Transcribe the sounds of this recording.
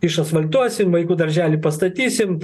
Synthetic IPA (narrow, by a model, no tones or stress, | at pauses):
ɪʃɐt̪sʋɐlʲt̪uɔsʲɪmʋɐɪkuːd̪ɐɾʲʒʲæːlʲɪpɐst̪ɐt̪ʲiːsʲɪm